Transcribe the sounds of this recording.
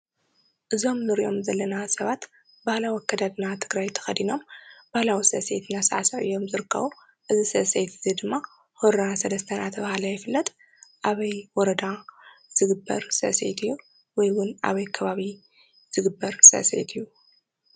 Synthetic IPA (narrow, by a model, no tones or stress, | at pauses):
ʔɨzo̞mnɨɾiʔo̞mzɐlːɐnasɐβat̪ | bahlawkʰːɐd̪ad̪nat̪ʰɨɡɾajt̪ʰɐ̥xɐd̪ino̞mb̥ahlawisɐʔsejt̪ʰnasaʕasɐʕɨjo̞mzɨɾɨkʰːɐ̰βu | ʔɨzisɐsejt̪ʰɨzid̪ɨmːa | hoɾasɐd̪ɐst̪ʰɐnat̪ʰɐβahalajɛfɨlːɐt̪ʼ | ʔaβɐjwɔɾɐd̪az̥ɨɡɨbːɐ̰ɾsɐ̰ʔsḛjt̪ʰɨjːu | wɔjwʊnʔa̰βɐjkʰɐβaβi | z̥ɨɡɨbːɐɾsɐ̰ʔsḛjt̪ʰɨjːu